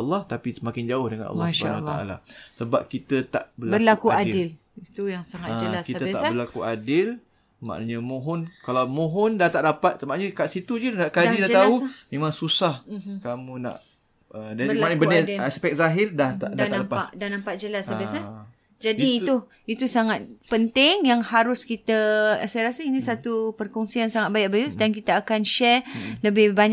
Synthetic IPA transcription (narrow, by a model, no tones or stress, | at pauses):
lːɔht̪apisəmakɪnd͡ʒaʊhdəŋa̰n̰lːsʃbaanwlt̪aʔa̰la̰səbap̚kit̪ət̪a̰ʔbərlbərlakkuadɪl | it̪ujaŋsaŋad͡ʒəlaskit̪əabəlakuadɪl | ma̰ʔnaɲamõɦɔnkalawmõɦɔndaht̪aʔdapat̪̚səmaɲəkaʔsit̪ud͡ʒuaʔkaidat̪aumẽmãŋsusahkamũna̰ʔ | ədabmanɲbənədaspɛk̚zaɦɪrdaht̪adaaapaʔdahnãmpaʔ̚d͡ʒəlasabisa | d͡ʒadiːt̪u | it̪usaŋat̪̚pənt̪ɪŋjaŋhaɾʊskit̪asajaɾasainĩsat̪upərkɔŋsiansaŋat̪̚bajaʔbajuʔsədaŋkit̪aːkanʃɛrləbɪhbaɲ